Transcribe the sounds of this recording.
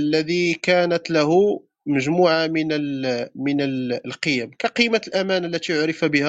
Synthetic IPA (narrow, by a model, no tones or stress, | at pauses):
lːæd̪ikænət̪læɦʊ | məʒmuːʕamənəlmənəllqəjæmkæqijmalʔæmænəlːæt̪ijoɾɪfabəhæ